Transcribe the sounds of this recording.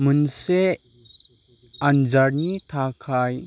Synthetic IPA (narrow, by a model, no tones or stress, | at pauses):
mənse | and͡ʒaɾnitʰakʰaj